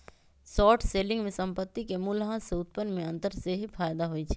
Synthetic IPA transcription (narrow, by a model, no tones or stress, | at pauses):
sɔːʈʰseːlɪ̃ŋɡmẽsɐ̃mpət̪ːikemʊlɦãseʊt̪̚pənːmẽɐ̃nt̪əɾseɦifaːjd̪aɦoit͡ʃʰi̥